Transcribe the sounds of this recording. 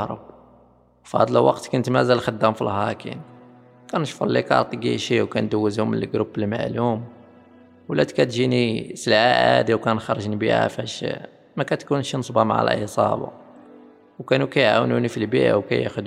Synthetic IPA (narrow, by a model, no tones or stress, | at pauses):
ɾˤə̰b̚ | fɑd̪ˤlwɑqt̪kʊnt̪mæzælxəd̪ːæmfilhɑkḭn | kænʃfəɾˤlikɑ̰ɾˤt̪ˤɡḭʃiwkænd̪əwːəzhʊmːənəlɡɾubəlma̰ʕlum | wlæd̪kæt̪ʒinisəlʕaʔæ̰d̪iwkænxɑɾˤʒnibiʔæ̰fæʃ | mækæt̪kunʃnəsˤbɑmaʕa̰l̰ʔisˤɑ̰bɑ̰ | wkænukæjʕawnunifilbḭʔa̰wkæ̰jæ̰xʊd̪